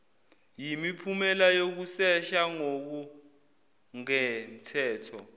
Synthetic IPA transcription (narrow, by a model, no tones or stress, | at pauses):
jimipʰumɛlajok̬usɛʃaŋok̬u | ŋɛm̩tʰɛːtʰɔ